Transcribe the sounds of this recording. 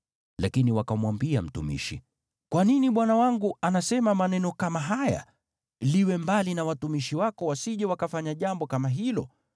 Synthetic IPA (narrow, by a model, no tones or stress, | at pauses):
lakiniwakamwambiam̩tṵmḭʃḭ | kwaniniɓwanawaŋɡuanasɛmamanɛnɔkamaɦaja̰ | liwɛmbalinawatumiʃiwakɔwasiʄɛwakafaɲaʄambɔkamaɦilɔ̰